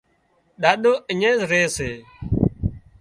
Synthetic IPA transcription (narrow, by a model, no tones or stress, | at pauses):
ɗaːɗoːʔɪɲẽːzɾeːseː